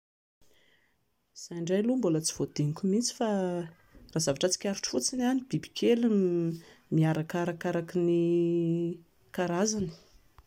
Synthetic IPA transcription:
z̥ajɳɖ͡ʐajlumbulət͡si̥v̥od̪̥eŋikʲumit͡si̥fa | raːzavaʈ͡ʂət͡si̥kʲaɾuʈ͡ʂfut͡sinanibibi̥kʰelum | miaɾakaɾakaɾakini | kaɾazani̥

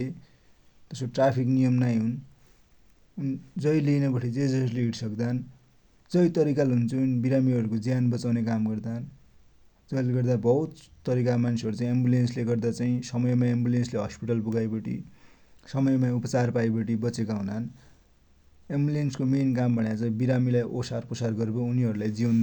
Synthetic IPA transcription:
e | t̪ʌskoʈrapʰik̬nijʌmnajɦun | nd͡zʌjlinʌbʌʈʰid͡zed͡zʌrleiɽsʌkd̪an | d͡zʌjt̪ʌɾikalɦunt͡sunbiɾamiʌɾukod͡zjanbʌt͡sawnekamɡʌrd̪aʌn | d͡zʌjleɡʌrd̪abʌɦut̪t̪ːʌɾikamansʰʌɾut͡saĩembulensleɡʌrd̪at͡saĩsʌmʌjmaembulensleɦʌspiʈʌlpuɡajbʌʈḭsʌmʌjmaupʌt͡sarpajbʌʈibʌt͡sekaɦunan | embulenskomenkambʌɽjat͡sʌbiɾamilajʔosarpʌsarɡʌɾbouniʌɾulajd͡zion

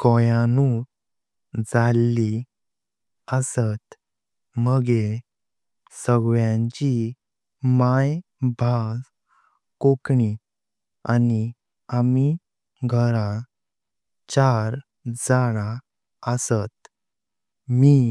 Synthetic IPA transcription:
kɔjanu | d͡zalːi | əsət̪ | məɡe | səɡʋjãɲt͡ɕi | maj | bʱas | kokɳi | ani | ami | ɡʱəɾã | t͡ɕaɾ | d͡zaɽa | əsət̪ | mi

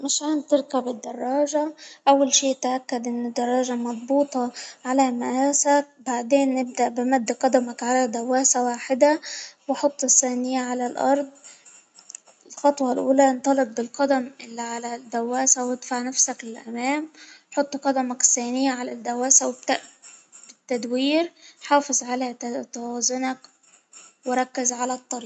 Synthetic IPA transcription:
mɪʃʕant̪ɪɾkabɪd̪ːɑrˤːɑːʒaʔawːalʃiːʔt̪ʔakːad̪ʔɪnːɪd̪ːɑrˤːɑːʒamɑd̪ˤbuːt̪ˤɑʕalamaʔaːsak̚baʕd̪eːnːɪb̚d̪aʔbɪmad̪ːqɑd̪amakʕalad̪awːaːsawaːħɪd̪awħot̪ˤːɪθːaːnɪjːaʕalalʔɑ̰ɾˤd̪ˤ | ɪlxɑt̪ˤwɑlʔuːlæʔnt̪ˤɑlet̪̚bɪlqɑd̪æmʔɪlːiʕalæd̪æwːæːsæwɪd̪̥faʕnæfsæklɪlʔæmæːmħot̪ˤːqɑd̪æmæksæːnɪjːaʕalæd̪ːæwæːsæwebt̪ʔbɪt̪ːæd̪wiːɾħɑːfezˤʕalæt̪æwæːzʊnæk | weɾˤɑkːɪzʕalæt̪ˤːɑɾiː

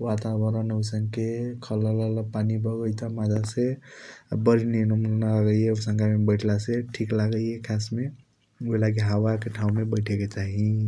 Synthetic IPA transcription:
wat̪abəɾənəsəŋkekʰəlalaləpanibəɡəjt̪amad͡ʒase | bəɾinenəmnnalaɡəeosə̃ŋɡamebəʈʰlaseʈʰiklaɡəekʰasme | oilaɡiɦawakeʈʰaũmebəɪʈʰeket͡ʃaɦi

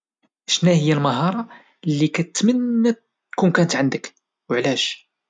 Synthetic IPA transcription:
ʃnæhəjːælmɑɦɑɾˤɑ | lːikæt̪ːmənːæ | kunkænət̪ʕənd̪ək | wʕlæʃ

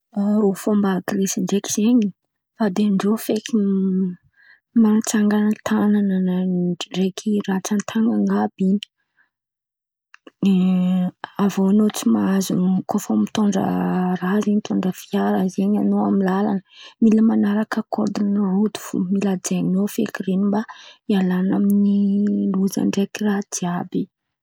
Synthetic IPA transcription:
aɾufombaːɡrisiɳɖ͡ʐeki̥z̥eɲi | fad̪eɳɖ͡ʐofeki | mat͡saŋɡant̪ʰanananaɖ͡ʐekʰiɾat͡sant̪ʰaŋɡaŋɡabiɲi̥ | avoanot͡simaazukofomit̪oɳɖ͡ʐə̰raziɲit̪oɳɖ͡ʐəfiaɾazeɲanoamilalanəmiləmanaɾakəkoɾd̪inirud̪u̥vṵmilad͡ʒenofḛkiɾenimbaialanaminiluza̰ɳɖ͡ʐekirad̪iabi

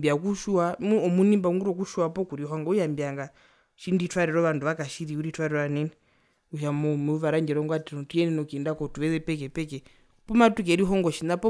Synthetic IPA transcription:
bjakuʃuamuɔmunimbaŋɡuɾɔk̬uʃuapɔkuɾiɦɔŋɡaujambiaŋɡa | ʃinditwaɾɛɾɔʋanduʋakaʃiɾiuɾitʰwaɾɛɾɔanɛni | uʃamumuʋaɾaɲd͡ʒɛɾɔŋɡwatiɔtuɛnɛnɔkindakɔtuʋɛzɛpɛkɛpɛkɛ | pɔmatuk̬ɛɾiɦɔŋɡɔʃinapɔ

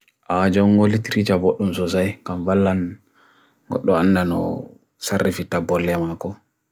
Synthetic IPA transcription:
ʔad͡ʒɔŋːɡolitiɾit͡ʃaboɗːumsɔsajkamvalːan | ɡɔ̰ɗːɔanːdanɔ̰ | sarːifitːabɔlːɛmakɔ

